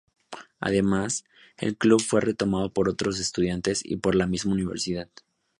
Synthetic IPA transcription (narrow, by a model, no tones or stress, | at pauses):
a̰ð̞e̞mas | e̞̰lkluβfwe̞re̞t̪o̞mað̞o̞po̞ɾo̞t̪ɾo̞s̬e̞st̪uðjant̪e̞sḭpo̞ɾlamizmauniβ̞eɾsiðað